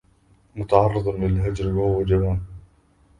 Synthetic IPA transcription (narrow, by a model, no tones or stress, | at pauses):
mʊt̪ɑʕɑrˤːɨd̪ˤɑlɪlɦad͡ʒɾwaʊwad͡ʒawaːn